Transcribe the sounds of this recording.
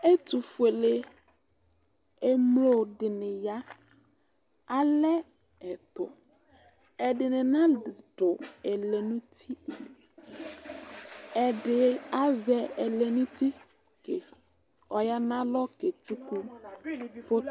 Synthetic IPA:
e˦tu˨fu˨e˨le˦ | e˦mlo˦˨dɪ˨nɪ̃˨ja˦ | a˦lɛ˦ɛ˨tʊ̰˨ | ɛ˨dɪ˨nɪ̃˨nã˦˨dʊ˨ɛ˨le˨nũ˦tʰi˦˨ | ɛ˨dɪ˨a˦zɛ˨ɛ˨lɛ˨nũ˦ti˦ | ke˨ | ɔ˨ja˦nã˦lɔ˦ke˨tu˦ku˦ | pʊ˦

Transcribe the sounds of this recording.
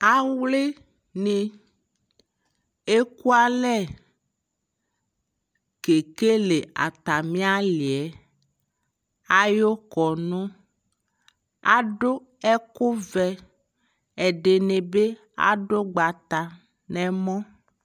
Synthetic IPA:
a˦wle˦ | ne˨ | e˦ku˦a˦lɛ˦˨ | ke˨ke˦le˨a̰˨t̪a˨mĩ˦a˦li˨ɛ˨ | a˦jo˦kɔ˨nõ˦ | a̰˦ɖo˦ | ɛ˦ko˦vɛ˨ | e˨ɖe˨nẽ˨be˦ | a̰˦ɖo˦ɡ͡ba˨t̪a˨ | nɛ̃˨mɔ̃˦

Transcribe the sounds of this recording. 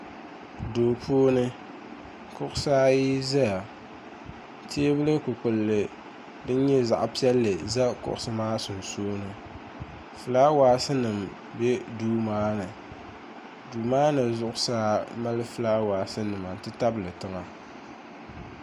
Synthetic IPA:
doː˨pʰoː˦nɨ˦ | kʊ˦ʔʊ˦saː˦ji˦za˦ja˨ | tʰeː˦bɨ˦lɨ˦kʊ˨k͡pʊ˨lːɨ˨ | dɨ˦ɲɛ˦za̰˨ʔpi˦ɛ˦lːɨ˨za˦kʊ̰˨ʔʊ˨sɨ˦maː˦sʊ˨n˨soː˦nɨ˦ | fɨ˨laː˦waː˨sɨ˦nɨ˨m | bɛ˦duː˦maː˦nɨ˨ | duː˨maː˦nɨ˨zʊ˦ʔʊ˦saː˦ma˦lɨ˦fɨ˦laː˦waː˨sɨ˦nɨ˨ma˨n̩˨tɨ˦ta˦bɨ˨lɨ˨tɨ˦ŋa˨

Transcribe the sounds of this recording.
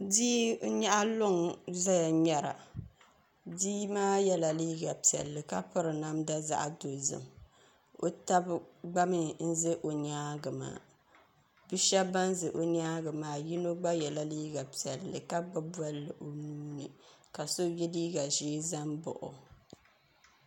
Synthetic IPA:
diː˦o˦ɲa˦ʔa˦lʊ˦ŋza˦ja˨ɲɛ˦ɾa̰˨ | diː˦maː˦jɛ˦la˨liː˦ɡa˨pi˨ɛ̰˨lːɨ˨ka˦pʊ˦ɾɨ˨na˦mda˦za̰˦ʔa̰˨do˨zɨ̰˨m | o˦ta˦bɡ͡ba˦mɨ˨n̩˦zɨ˦ʔo˨ɲaː˦ɡɨ˨ma̰ː˨˦˨ | bi˦ʃa˦ba˦n˦zɨ˨ʔo˨ɲ˦aː˦ɡɨ˨maː˦ji˦no˦ɡ͡ba˦jɛ˨la˨liː˦ɡa˨pi˨ɛ˨lːɨ̰˨ka˦bɨ˦bwa˦lːɨ˨ʔo˨nuː˦nɨ̰˨ka˨so˦jɛ˦liː˦ɡa˨ʒeː˦za˦mbʊ̰˨ʔʊ̰˨

